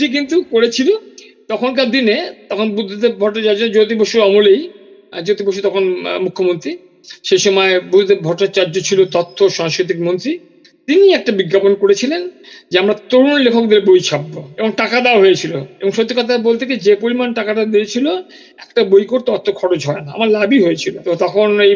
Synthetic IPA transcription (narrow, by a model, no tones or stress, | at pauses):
ʈik̬int̪ukoɾet͡ɕʰilo | t̪ɔkʰonk̬ad̪inet̪ɔkʰonbud̪ʱːod̪eɾbʱɔʈːat͡ɕaɾd͡ʑod͡ʑot̪̬iboʃuɾɔmolej | d͡ʑot̪iboʃ̬ut̪ɔkʰonmukʰːomont̪ɾi | ʃejʃɔmɔebud̪ʱod̪eɾbʱɔɾʈːat͡ɕaɾd͡ʑot͡ɕʰilot̪ɔt̪ʰːoʃɔŋskɾit̪̬ikmont̪ɾi | tt̪iniɛk̚ʈabiɡːaponkoɽet͡ɕʰilend͡ʑeamɾat̪oɽunlekʰokd̪eɾbojt͡ɕʰabːoeboŋʈakad̪eaɦoet͡ɕʰiloeboŋʃot̪ːikɔt̪̬abolt̪ʰeked͡ʑepolimanʈakaʈad̪eet͡ɕʰilo | ɛkʈabojkoɾt̪eɔt̪ʰːokʰɔɽod͡ʑɦɔenaa̰maɾlabiɦojet͡ɕʰilot̪ot̪ɔkʰonej